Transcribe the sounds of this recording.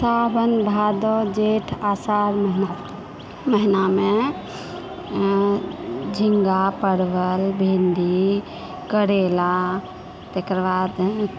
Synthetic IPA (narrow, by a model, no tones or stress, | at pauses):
sabənbʱad̪ɔd͡ʒeʈʰasaɾməɦna | məɦiname | d͡ʒʱiŋɡapəɽbəlbʱend̪i | kəɽela | t̪ekɾəbad̪